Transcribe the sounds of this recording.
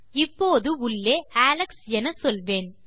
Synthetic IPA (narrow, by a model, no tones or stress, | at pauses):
ɪpːoːðɯʊɭːeːaːlɐksɛnɐsɔlʋeːn